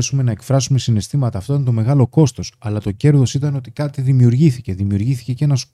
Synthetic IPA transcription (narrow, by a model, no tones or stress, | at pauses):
esume̞nɐe̞kfɾɐsume̞sine̞st̪imɐt̪ɐːft̪oit̪ɐnt̪o̞me̞ɣɐlo̞ko̞st̪o̞sɐlɐt̪o̞ce̞ɾðosit̪ɐno̞t̪ikɐt̪iðimiuɾʝiθice̞ðimiuɾʝiθice̞ce̞nɐs